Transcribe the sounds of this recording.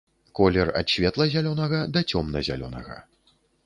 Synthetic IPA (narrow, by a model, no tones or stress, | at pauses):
kɔlʲɛrɐ̰t̪ɕʲvʲɛt̪lˠɐzʲalʲɔnɐɣɐd̪ɐt͡sʲɔmnɐzʲa̰lʲɔ̰nɐ̰ɣɐ̰